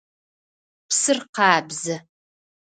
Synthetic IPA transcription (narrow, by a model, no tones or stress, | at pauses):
psɨrqɑːbzɐ